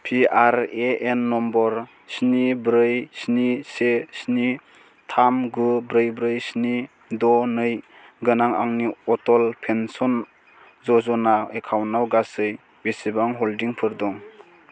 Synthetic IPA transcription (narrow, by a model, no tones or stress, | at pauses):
pʰiaɾeenːɔmbɔɾ | snibɾɯjsnisesni | tʰamɡubɾɯjbɾɯjsni | dɔnɯj | ɡɯnaŋa̰ŋniɔtɔlpʰensɔn | zɔzɔnaekʰawnːawɡasɯj | besibaŋɦɔldiŋpʰɯɾdɔŋ